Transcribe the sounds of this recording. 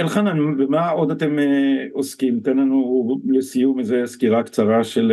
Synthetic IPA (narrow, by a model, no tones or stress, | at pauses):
elχananbemao̞d̪at̪emeoskimt̪enlanulesijumezeskiʁakt͡saʁaʃel